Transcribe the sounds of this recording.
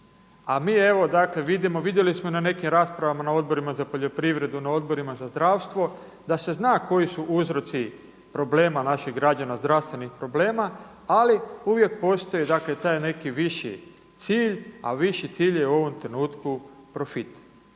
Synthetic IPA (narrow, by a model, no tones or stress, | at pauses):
amiːe̞ʋo̞d̪akle̞ʋid̪imo̞ʋid̪je̞lismonane̞kimɾaːspɾaʋamanao̞d̪̚bo̞ɾimazapo̞ʎo̞pɾiʋɾe̞d̪unao̞d̪̚bo̞ɾimazazd̪ɾaːʋst̪ʋo̞ | d̪ase̞znaːko̞jisuʔuzɾo̞t̪si | pɾo̞ble̞ːmanaʃiɣɡɾad͡ʑanazd̪ɾast̪ʋe̞nixpɾo̞ble̞ːma | aliuʋje̞k̚po̞st̪o̞jid̪akle̞t̪aːjne̞kiʋiʃi | t̪siːʎa̰ʋiʃit̪siːʎjeuo̞ʋo̞mt̪ɾe̞nuːt̪kupɾo̞fit̪